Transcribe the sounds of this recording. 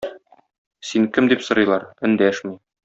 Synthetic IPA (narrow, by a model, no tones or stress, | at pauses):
siŋkɘmd̪ipsɤ̆ɾɤ̆jlˠɑɾɘ̆nd̪æʃmi